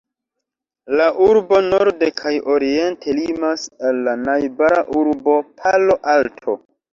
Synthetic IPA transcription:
laʔuɾbo̞noɾde̞kʰajʔoɾie̞ntʰe̞limasalːanajbaɾaʔuɾbo̞pʰalo̞ʔaltʰo

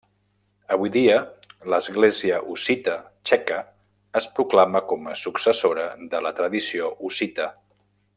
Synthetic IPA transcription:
əβujðiələzɣleziəʔusit̪ə | t͡ʃɛkəː | spɾuklaməkɔməsuksəsoɾəðələt̪ɾəðisioʔusit̪ə

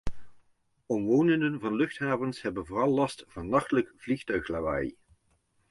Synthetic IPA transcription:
ɔmʋownəndənvɑnlɵχtɦaːvənsɦɛbənvoːrɑlˠːɑstvɑnɑχtələkv̥liχtœɥxlaːba̰j

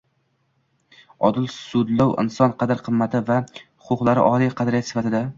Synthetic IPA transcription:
ɒd̪ɪlsʊd̪lawʔɪ̰nsɒnqʰɑd̪ɪɾqʰɨmːat̪ʰɪvahʊqʰʊqlˠaɾɪ̰ʔɒlˠijqʰɑd̪aɾijat̪sɪ̥fat̪ʰɪd̪a

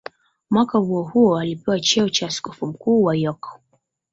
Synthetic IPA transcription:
mwakahuɔhuɔalipɛwat͡ʃɛɔt͡ʃasi̥kɔfum̩kuːwajɔkɔ̥

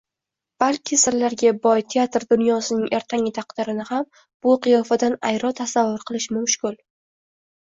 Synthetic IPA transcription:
b̥alkʲʰɪsɪɾlaɾɡʲabɒjt̪ʰeat̪ɾd̪ʊnjɒsɪnɪŋʔe̞ɾt̪ʰaŋʲɪt̪ʰaqd̪ɪɾɪnɪham | b̥ʊqʰɨjɒfad̪anajɾɒt̪ʰasavːʊɾqʰɨlˠɪʃmʊmʃkʲʊl

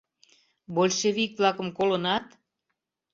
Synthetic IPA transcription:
bolʲʃeβikvlɑkə̆mkolonɑt̪

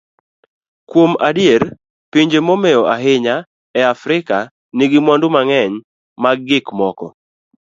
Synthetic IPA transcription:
kwomadjer | piɲd͡ʒemomɛɔʔaɦɪɲa | ɛafɾɪka | niɡɪmwandʊmaŋɛɲ | maɡːɪkmɔkɔ̰

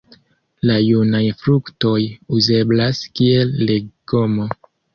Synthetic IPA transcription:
lajunajfɾukto̞juze̞blaskie̞lːeɡomo

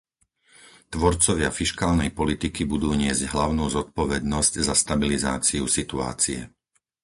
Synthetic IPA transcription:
t̪ʋɔɾt͡sɔʋɪafiʃkaːlnɛjpɔlit̪ikibud̪uːɲɪɛzɟɦlaʊnuːzɔt̪̚pɔʋɛd̪nɔzczast̪abiliza̰ːt͡siusit̪ua̰ːt͡siɛ̰

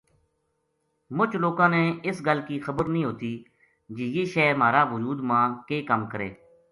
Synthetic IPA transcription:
mʊt͡ʃloːkãːnẽːɪsɡəlkiːxəbəɾnəĩːɦoːt̪iː | d͡ʒiːjeːʃɛːmaːɾaːʋʊd͡ʒuːd̪mãːkeːkəmkəɾḛː

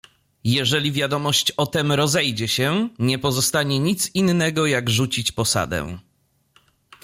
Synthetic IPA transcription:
jɛʐɛlʲivʲjad̪ɔmɔɕt͡ɕɔt̪ɛmɾɔzɛjd͡ʑɛɕɛɲɛpɔzɔst̪aɲɛɲit̪sinːɛɡɔjaɡʐut͡ɕit͡ɕpɔsa̰d̪ɛ̰̃

